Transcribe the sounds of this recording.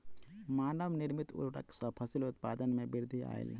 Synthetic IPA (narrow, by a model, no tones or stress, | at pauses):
maːnəʋnɪɾmit̪ʊ̰ʈə̰ksɐpʰəsilʊt̪̚paːd̪ənmẽbɪɾd̪ʱia̰ːḛl